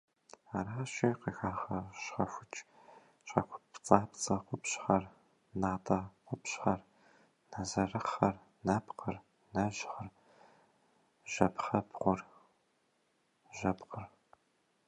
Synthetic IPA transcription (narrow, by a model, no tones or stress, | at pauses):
aːraːʃiːqəxaːʁɐʃχɐfʷʊt͡ʃʼ | ʃɐ̰kʷʰʊ̥pt͡sʼaːpt͡sʼɐqʷʊpɕχɐr | naːtʰʼɐqʷʊpɕχɐr | nazɐrɨχɐr | nɐpqʰɐr | nɐʒχɐr | ʒ̥ɐpχɐpʁʷʊr | ʒɐpqər